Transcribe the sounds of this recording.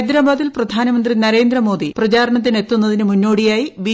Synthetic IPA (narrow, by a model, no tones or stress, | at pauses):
jd̪ɾaːbaːðilprɐd̪ʱaːnɐmɐnd̪rinɐɾe̞ːnd̪rɐmo̞ːd̪iprɐt͡ɕaːɾɐɳɐt̪̬ːine̞t̪ːunːɐðinɨmunːo̞ːɽijaːjiʋi